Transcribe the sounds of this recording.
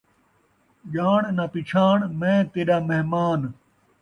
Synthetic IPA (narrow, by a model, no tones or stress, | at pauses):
ʄaːɳnapit͡ʃʰaːɳmẽːt̪eɗaːmeɦmaːn